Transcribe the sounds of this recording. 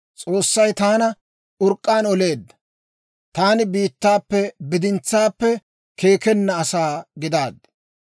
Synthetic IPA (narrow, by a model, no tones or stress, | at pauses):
t͡sʼoːsːɐjt̪aːnɐ | ʔʊɾkʼːaːnɔle̞ːd̪ːɐ̥ | t̪aːnɪbiːt̪ːaːpːɛbɪd̪ɪnt͡sːaːpːɛ | kʰe̞ːkɛnːɐːsaːɡɪd̪aːd̪